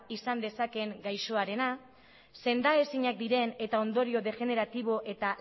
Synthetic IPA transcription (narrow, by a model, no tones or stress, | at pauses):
isand̪e̞sake̞ŋɡajʃo̞aɾe̞na | se̞nd̪ae̞siɲak̚d̪iɾe̞ne̞t̪ao̞nd̪o̞ɾio̞ðe̞ʝe̞ne̞ɾat̪iβ̞o̞ʔe̞t̪a